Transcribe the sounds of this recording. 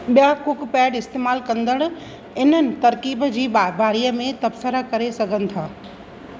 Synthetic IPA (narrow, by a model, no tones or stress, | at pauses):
ɓijakʊkpɛːɖɪst̪eːmaːlkɐ̃nd̪əɽ̃ | ɪn̤ənɪ̆t̪ɐɾkiːbd͡ʑiːabaːɾijəmẽt̪ɐbsəɾakɐɾesɐɡʱənɪ̆t̪ʰaː